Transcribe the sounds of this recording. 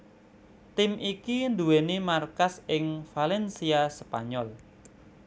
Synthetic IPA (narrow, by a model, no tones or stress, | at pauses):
t̪ɪmʔikind̪uwenimarkasɪŋfalɛnsiaspaɲɔl